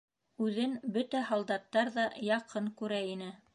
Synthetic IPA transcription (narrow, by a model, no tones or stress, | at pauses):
ʉðɘnbɵt̪æhɑlˠd̪ɑt̪ːɑɾðɑjɑqʰɤŋkʉɾæinɘ